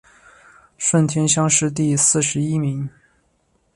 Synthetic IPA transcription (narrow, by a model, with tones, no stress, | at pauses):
ʂwə˥˩nt̪ʰjɛ˥nɕjɑ˥ŋʂɻ̩˥˧t̪̬i˥˧sɹ̩˥˩ʂɻ̩˧˥i˥mi˧˥ŋ